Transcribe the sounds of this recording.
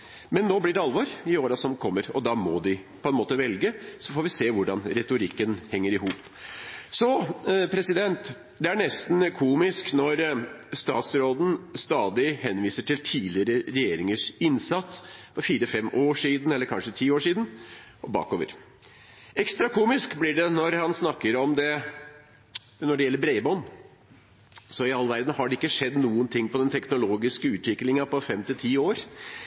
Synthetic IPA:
mɛnːoːblɪɖɛɑlʋoɾɪoːɾɑsɔmkʰɔmːəɾɔd̪ɑmɔd̪ɪpʰɔɛnmoːt̪əʋɛlɡəsɔfoːɾʋɪseːʋʊɖɑnɾɛt̪ʊɾɪkːənhɛŋːəɾɪhuːp | sɔpʰɾɛsɪd̪ɛnt̪ | d̪ɛæɳɛst̪n̩kʰuːmɪsknɔɾ | st̪ɑ̰ːt̪sɾoːd̪n̩st̪ɑːd̪ɪɦɛnʋiːsəʈʰɪlt̪ʰiːlɪəɾəɾɛjeːɾɪŋəʂɪnsɑt̪spʰɔfiːɾəfɛmʔoːʂiːd̪n̩ɛlːəɾkʰɑnʂət̪ʰiːoːʂiːd̪n̩ | ʔɔbɑ̰ːkoːʋə̰ɾ | ɛkst̪ɾɑkʰuːmɪskblɪɖɛnɔɾhɑnsnɑkːəɾɔmd̪ɛ | nɔɖɛjɛlːəɾbɾɛɪbɔn | sɔɪɑlʋæɾd̪n̩hɑɖɛɪkːəʂɛd̪ːnuːənt̪ʰɪŋːpɔd̪ɛnt̪ʰɛknʊloːɡɪskəʉːt̪ʰʋɪklɪŋɑpɔfɛmt̪ɪlt̪ʰiːoːɾ

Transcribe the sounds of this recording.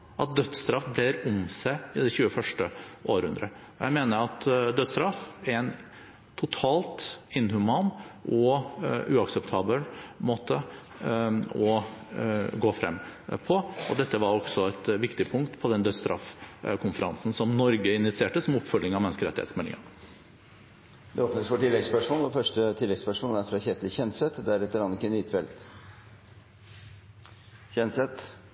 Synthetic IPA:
ʔɑt̪̚d̪œd̪st̪ɾɑfbleːɾʊmsæɪd̪ɛçʉːəfœʂʈəʔoːɾhʉ̰nd̪ɾə | ɔjæɪmeːnəɾɑt̪d̪œd̪st̪ɾɑfæɾɛn | t̪ʰʊt̪ʰɑːlt̪ɪnːhʉmɑːnʔɔʉːɑksɛpt̪ʰɑːbəlmoːt̪ːə | ɔ | ɡoːfɾɛ̰mːpʰɔɔd̪ɛt̪ːəʋɑɾɔksɔɛt̪ʋɪkt̪ɪpʰʊŋkt̪pʰɔd̪ɛnd̪œst̪ɾɑ̰fkʰʊnfəɾɑ̰nsn̩sɔmnɔɾɡəɪnɪt̪sɪeːʈəsɔmɔpfœɖ̪ɪŋɑʋmɛnskəɾɛt̪ɪhḛt̪smɛlːɪ̰ŋɑ̰ | d̪ɛoːpnəsfɔʈɪlːɛɡspœʂmoːlʋɔfœʂʈət̪ʰɪlːɛɡspœʂmoːləæɾfɾɑçɛt̪ʰlçɛnsɛt̪d̪ɛæɾɛt̪ːəɾɑnɪkːənyːt̪fɛlt̪ | çɛnsɛt̪

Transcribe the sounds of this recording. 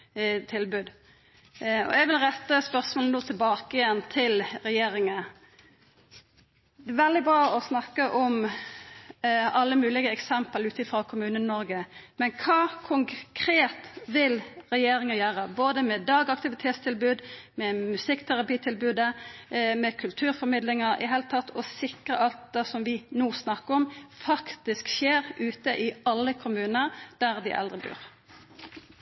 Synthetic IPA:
t̪ʰɪlbʉːd̪ | ɔ̰ɛɡʋɪlɾɛt̪ːəspœʁsmoːln̩ənuːt̪ʰɪlbɑːkəjɛnt̪ʰɪlɾɛjeːɾɪŋə | d̪ɛæʋɛld̪ɪbɾɑːɔsnɑkːəʔɔm | ɑlːəmʉːlɪɡəɛksɛmpəlʉːt̪ɪfɾɑkʰʊmʉːnənnɔɾɡəmɛnkʰɑːkʰʊŋkʰɾeːt̪ʋɪlʁɛjeːɾɪŋəjøːʁəboːd̪əmɛd̪ɑːɡɑk̚t̪ɪʋɪt̪ʰeːt̪st̪ʰɪlbʉːd̪ | mɛmʉsɪkːt̪ʰæʁɑpiːt̪ʰɪlbʉːd̪əmɛkʰʉlt̪ʰʉːɾfɔmɪd̪lɪŋəɾɪ̰ɦeːlt̪ʰːɑt̪ʰːɔsɪkʁə̰ʔɑlt̪̚d̪əsɔmʋɪnoːsnɑkːəɔmfɑkt̪ɪskʃeːɾʔʉːt̪əʔɪɑlːəkʰʊmʉːnəʁd̪̥æʁd̪ɪ̰ʔɛ̰ld̪ʁəbʉ̰ːʁ

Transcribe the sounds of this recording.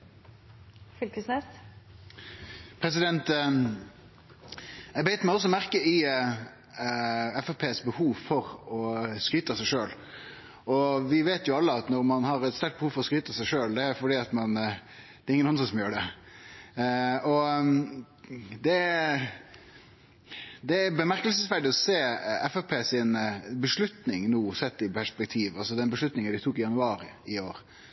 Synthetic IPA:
fʏlkəsnɛ | pʰɾɛsɪd̪ɛnt̪ | ɛɡbɛɪt̪mæɪɔs̬ɔmæʁkəɪ | ɛfɛpʰeːsbəhuːʋfɔʁɔskyːt̪əsæɪʂøːl | ɔʋɪʋeːt̪jʊɑlːəɑt̪nɔɾmɑnhɑɾɛt̪st̪æʈ̪̚bəhuːʋfɔʁɔskɾyːt̪əsæɪʂøːld̪ɛæfɔɖiːɑt̪mɑn | d̪̥ɛɾɪŋːənɑnd̪ʁəsɔmjøːɖɛ | ɔ | d̪ɛ | d̪ɛæbəmæɾkəlsəsʋæɖɪɔseːɛfɛpʰeːsɪnbəʂɭʉt̪nɪŋnuːsɛt̪ːɪpʰæʂpɛk̚t̪ʰiːʋɑlsɔd̪ɛnbəʂlʉt̪nɪŋənd̪ɪt̪ʰuːkɪjɑnʉɑːɾɪɪoːɾ

